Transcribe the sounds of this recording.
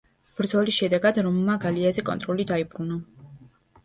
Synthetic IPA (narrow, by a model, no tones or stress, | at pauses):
b̥ɾd̪zɔlisʃɛd̪ɛɡad̪ɾɔmmaɡaliazɛkʼɔ̰nt̪ʼɾɔlid̪aibɾuna